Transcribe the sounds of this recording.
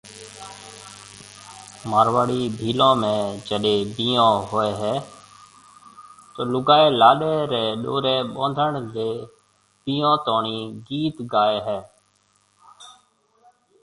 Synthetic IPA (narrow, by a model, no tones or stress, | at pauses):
maːɾʋaːɽiːbʱiːlõːmẽːd͡ʒəɗeːbiːõːɦoːeːɦɛː | t̪oːlʊɡaːeːlaːɗeːɾeːɗo̰ːɾeːɓõːnd̪ʱəɳdeː | biːõːt̪oːɳiːɡiːt̪ɡaːeːɦɛː